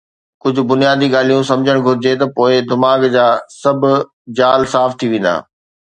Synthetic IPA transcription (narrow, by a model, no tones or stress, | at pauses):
kʊd͡ʑʱʊ̆bʊnijaːd̪iɠaːl̤ijũsɐ̃md͡ʑʱəɽ̃ɡʱʊɾɪd͡ʑet̪ɐpoːɪd̪ɪmaːɡd͡ʑaːsɐbʱʊ | d͡ʑaːlsaːft̪ʰiʋẽːn̆d̪a̰ː